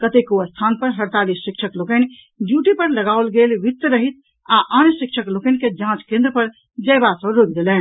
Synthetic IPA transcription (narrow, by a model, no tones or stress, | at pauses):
kət̪ekuəst̪ʰanpəɾɦəɾt̪alisːikt͡ʃʰəklokən | ɖjuʈipəɾləɡawlɡelʋit̪ːəɾəɦit̪ʰ | aʔanjəsikt͡ʃʰəklokɛnked͡ʒãt͡ʃkẽnd̪ɾəpəɾ | d͡ʒəjbasə̃bɾok̚d̪elɛn